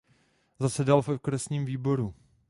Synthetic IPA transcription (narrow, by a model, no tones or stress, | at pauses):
zasɛdalvɛkɾɛsɲiːmviːbo̞ɾu